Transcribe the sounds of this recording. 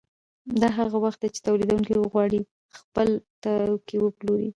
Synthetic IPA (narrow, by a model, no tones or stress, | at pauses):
d̪ɑɦaɣawaxt̪̚d̪at͡ʃe̥t̪awlid̪awuŋkiwəɣwɑɽi | xpəlt̪akiwəploɾḭ